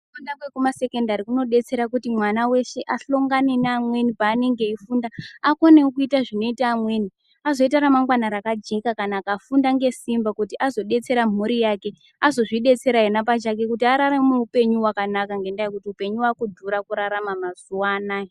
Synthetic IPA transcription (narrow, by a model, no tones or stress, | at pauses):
kundakwekumase̞ke̞ndaɾikuno̞ɗe̞t͡se̞ɾakutimwanawe̞ʃe̞ʔaɬoŋɡane̞neamwe̞nipaːne̞ŋɡe̞ifundaːko̞ne̞ukuitaʐino̞itaːmwe̞ni | azo̞itaɾamaŋɡwanaɾakad͡ʒe̞kakanaːkafundaŋɡe̞simbakutiʔazo̞ɗe̞t͡se̞ɾam̤uɾijake̞ | azo̞ʐiɗe̞t͡se̞ɾainap̬at͡ʃak̬ekutiaɾaɾemuupe̞ɲuwakanakaŋɡe̞ndajekutiupe̞ɲuwakudʱuɾakuɾaɾamamazuwana